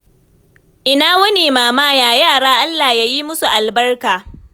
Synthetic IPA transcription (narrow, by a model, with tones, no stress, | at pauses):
ʔɪ˨naː˦wɐ˦neː˨maː˨maː˦jaː˨jaː˦˨ɽaː˦ʔa˦lːaː˨hja˦ji˦mʊ˦su˨ʔa˨lbɐ˦rkaː˨